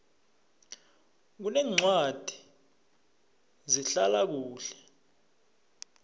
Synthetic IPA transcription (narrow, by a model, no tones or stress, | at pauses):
k̬unɛːŋ͡ǀwad̥ʱi | ziɬalak̬uːɬɛ̥